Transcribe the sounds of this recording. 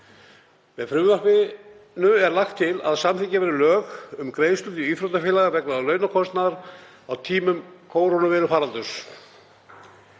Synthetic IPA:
vɛðfɾʏmvapɪ | nʏɛɾlaxt̪ʰːɪla̰ðsamθɪcavɛɾɪlœːɣʏmkɾeːjst̪ʏnt̪ɪyːθɾɔwt̪afɪːlaɣavɛknaðalœːɥnakʰɔst̪naðaɾ̥ | awt̪ʰiːmʏmkʰoːwɾonʏvɛːɾʏfaːɾant̪ʏs

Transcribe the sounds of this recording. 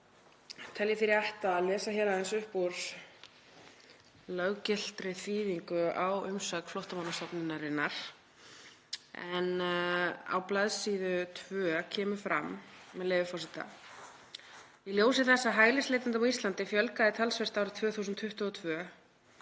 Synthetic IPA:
t̪ʰɛljɪfɪɾiaht̪aðlɛːsaçɛɾaðɛnsʏhpuɾ̥s | lœɣcɪl̥t̪ɾɪθiːviŋkʏawʏmsœːkflowht̪amawnat̪ɔpnɪnːaɾɪnːaɾ̥ | ɛn | a̰wplaðsiːðʏt̪ʰvœːcʰɛːmʏfɾa̰mmːɛðleːjvʏfɔsɪt̪a̰ | iljoːws̬ɪθɛsːaɦaːjlɪst̪eːjt̪ant̪amaist̪lant̪ɪfjœlkaðɪt̪ʰalsvɛst̪aːwɾʏt̪ʰvœːθuːsʏnt̪fʏht̪ʏɔːt̪ʰvœː

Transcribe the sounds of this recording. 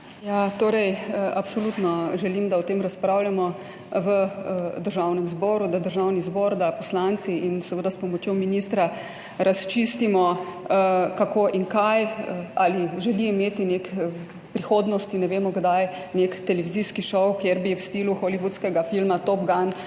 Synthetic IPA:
jat̪oːɾɛjapsɔlut̪nɔʒɛlimd̪aɔt̪eːmɾaspɾawljamɔ | ʋəd̪əɾʒawnɛmzbɔːɾud̪ad̪əɾʒawnizbɔːɾd̪apɔslant̪siinsɛʋəd̪aspɔmɔt͡ʃjɔminist̪ɾa | ɾʔast͡ʃist̪imɔəkakoːʔiŋkajəaliʒɛliimeːt̪inekɛ | pɾixoːd̪nɔst̪inɛʋeːmɔɡd̪ajnekt̪ɛlɛʋiziskiʃɔwkjeɾbiwst̪iluxɔliʋut̪skɛɡafilmat̪op̚ɡan

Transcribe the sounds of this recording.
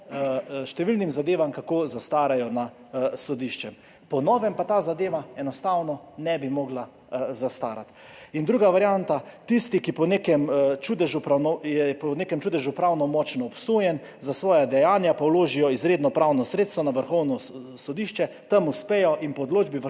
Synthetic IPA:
ʃt̪ɛʋilnimzad̪eːʋamkakoːzast̪aːɾajɔna | sɔd̪iʃt͡ʃɛm | pɔnɔːʋɛmpat̪aːzad̪eːʋaɛnɔst̪awnɔ | nɛbimɔɡla | zast̪aːɾa̰t̪ | ind̪ɾuːɡaʋaɾjant̪at̪ist̪ikipɔnekɛmt͡ʃud̪ɛʒupɾawnɔjɛpɔneːkɛmt͡ʃuːd̪ɛʒupɾawnɔmɔt͡ʃnɔːpsoːjɛn | zasʋɔːjad̪ɛjaːnjapawloːʒijɔizɾeːd̪nɔpɾawnɔsɾeːt̪st̪ʋɔnaʋəɾxɔwnɔ | sɔd̪iʃt͡ʃɛ | t̪ɐmuspeːjɔʔinpɔd̪loːd͡ʒbiʋ

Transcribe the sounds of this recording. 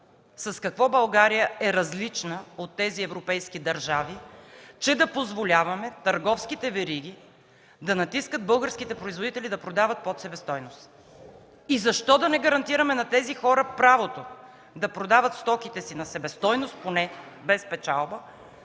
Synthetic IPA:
sɐskɐkvɔbɐlˠɡaɾijəɛɾɐzlit͡ʃnəot̪ːɛziɛvɾopɛjskid̪ɐɾʒavit͡ʃɛd̪ɐpozvolʲavɐmɛt̪ɐɾɡɔfskit̪ɛvɛɾiɡ̟ʲi | d̪ɐnɐt̪iskəd̪̚bɤlˠɡəɾskit̪ɛpɾoizvod̪it̪ɛlid̪ɐpɾod̪avɐt̪̚pot̪sɛbɛst̪ɔjnost̪ | izɐʃt̪ɔd̪ɐnɛɡɐɾɐnt̪iɾɐmɛnɐt̪ɛzixɔɾəpɾavot̪o | d̪ɐpɾod̪avət̪st̪ɔkit̪ɛsinɐsɛbɛst̪ɔjnost̪̚ponɛ | bɛspɛt͡ʃalˠbə

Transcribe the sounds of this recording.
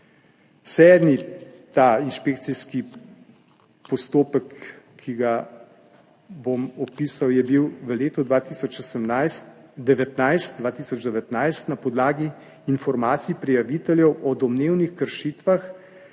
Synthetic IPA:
sɛːd̪mit̪ainʃpeːkt̪siski | pɔst̪oːpəkʰː | iɡa | bomɔpiːsawjɛbiwʋəleːt̪ɔd̪ʋaːt̪isɔt͡ʃosəmnast̪d̪ɛʋɛt̪najst̪̚d̪vʋaːt̪iːsɔd͡ʒd̪ɛʋɛt̪najst̪napɔd̪laːɡiː | nfɔɾmaːt̪sipɾijaʋit̪ɛljɛwʔɔd̪ɔmneːwnixkəɾʃiːt̪ʋax

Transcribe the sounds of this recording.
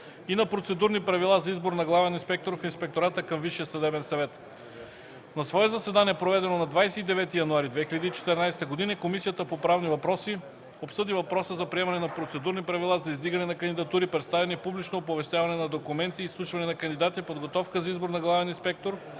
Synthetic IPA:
inɐpɾot̪sɛd̪uɾnipɾɐvilˠazɐizboɾnɐɡlˠavɛninspɛk̚t̪oɾfinspɛk̚t̪oɾat̪əkɐmviʃijəsɐd̪ɛbɛnsɐvɛt̪ | nɐsvɔɛzɐsɛd̪aniɛpɾovɛd̪ɛnonɐd̪vajsɛid̪ɛvɛt̪ijɐnuaɾid̪vɛxilʲɐd̪iːt͡ʃɛ̥t̪ɛɾnajst̪əɡod̪inɐkomisijət̪əpopɾavnivɐpɾɔsi | opsɤd̪ivɐpɾɔsəzɐpɾiɛmɐnɛnɐpɾot̪sɛd̪uɾnipɾɐvilˠazɐizd̪iɡɐnɛnɐkɐnd̪id̪ɐt̪uɾipɾɛt̪st̪avɛnɛpublit͡ʃnoːp̬ovɛst̪ʲjavɐnɛnɐd̪okumɛnt̪iːslˠuʃvɐnɛnɐkɐnd̪id̪at̪ipod̪ɡot̪ɔfkəzɐizboɾnɐɡlˠavɛninspɛk̚t̪oɾ

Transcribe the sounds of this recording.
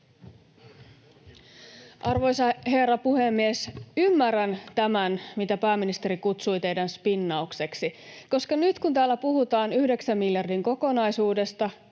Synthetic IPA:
ʔɑrʋo̞jsɑhe̞rɑpuhemːiesymːærænt̪æmænmit̪æpæːmːinist̪e̞ɾikut̪sujt̪e̞jdænspinːɑukse̞ksiko̞skɑnyt̪kunt̪æːlːæpuɦut̪ɑːnyhde̞ksæmːiljɑrdiŋko̞ko̞nɑjsuːde̞st̪ɑ

